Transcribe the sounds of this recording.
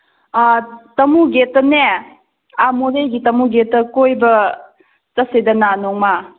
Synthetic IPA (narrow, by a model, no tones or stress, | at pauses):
tɐmuɡetːɐne | amoɾejɡitɐmuɡetːɐkojbɐ | tɐsedɐnanɔŋma